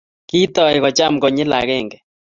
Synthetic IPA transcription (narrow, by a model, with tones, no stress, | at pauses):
ki˦t̪ɔ˦˨ɪ˨ɣɔ˨t͡ʃa˦mɡɔ˨ɲɪ˦la˨ɣɛ˦˨ŋɡɛ˨